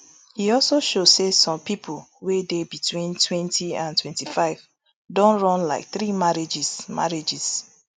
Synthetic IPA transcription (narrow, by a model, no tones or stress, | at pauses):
hiɔlsoʃodsesɔ̃mpipʰulwedebitwĩntʰwɛ̃ntʰiãntwɛ̃ntifaɪv | dɔ̃nɹɔ̃nla̰ɪk̚θɹimaɹid͡ʒisma̰ɹed͡ʒis